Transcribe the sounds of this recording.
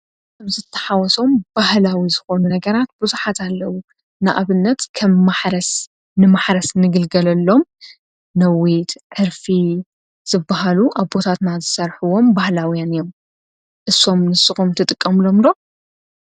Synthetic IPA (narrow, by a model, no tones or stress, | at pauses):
kʰɐmzɨt̪ʰːɐ̥ħawɔso̞mb̥ahlawizɨxo̞nunɐɡɐɾat̪̚bɨzuħat̪ʰalːɐwu | na̰ʔaβɨnːɐt̪kʰɐmːaħɾɐs | nɨmaħɾɐsnɨɡɨlɡɐlɐlːo̞m | nɐwit̪ʕɨɾfi | z̥ɨbːaɦaluʔaβbo̞t̪ʰat̪nazɨsɐɾħuwo̞mbahlawijanɨjo̞m | ʔɨsːo̞mnɨsɨxumt̪ʰɨt̪ʼɨkʼːɐmlo̞md̪o̞